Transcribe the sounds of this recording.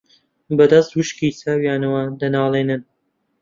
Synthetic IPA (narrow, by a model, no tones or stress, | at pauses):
bɐd̪ɐst̪wuʃkit͡saːwjaːnɐwad̪ɐnaːlˠeːnɨn